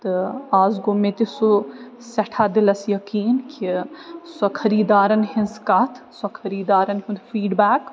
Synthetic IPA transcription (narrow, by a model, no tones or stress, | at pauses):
t̪ɨaːzɡomẽt̪isu | sɐʈʰaːd̪ɪlɐsjɐkiːnkʰisɐkʰɐɾiːd̪aːɾɐnɦɪnskɐt̪ʰsɐkʰɐɾiːd̪aːɾɐnɦʊnfiːɖbaːk